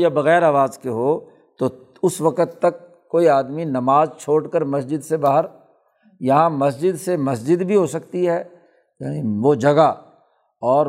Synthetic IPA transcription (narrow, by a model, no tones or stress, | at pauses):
jabɐɣɛːɾaːʋaːzkeɦoː | t̪o | ʊsʋɐkət̪ːɐkː | oːiaːd̪minɐmaːzt͡ʃʰoːʈkəɾmɐsd͡ʒɪd̪sebaːɦəɾ | jɐɦãmɐsd͡ʒɪd̪semɐsd͡ʒɪd̪bʱiɦosɐkt̪iɦɛː | janiʋod͡ʒɐɡa | ɔːɾ